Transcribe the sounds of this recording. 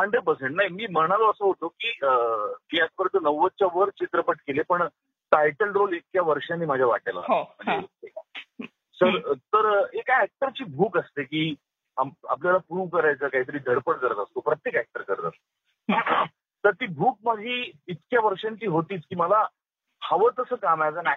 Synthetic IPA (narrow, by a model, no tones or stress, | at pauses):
aɳɖebəsəɳnaɦimiːm̤əɽ̃aloəsəɦot̪okiːəmiːat̪̚ʰpəɾət̪ənəʋːət͡ɕaʋəɾt͡ɕit̪ɾəpəʈkelepəɳ | ʈajʈəlɾolek̪̚kjaʋəɾʂãnːiːmad͡ʑʱjaʋa̰ʈajla̰m̤əɳd͡zeeka | səɾt̪əɾekaæk̚ʈəɾt͡ɕiːbʱuːkəst̪ekiː | aa̰pljalapɾuʋkəɾajt͡səːkaɦit̪əɾiːd̪ʱəɽpəɽkəɾət̪əst̪opɾət̪jekæk̚ʈəɾkəɾət̪ə̰st̪o | t̪əɾt̪iːbʱuːk̚maɡʱiːt̪kjaʋəɾʂãɲt͡ɕiːɦot̪iːt͡skiːməla | haʋəːt̪əsəːkamajd͡zana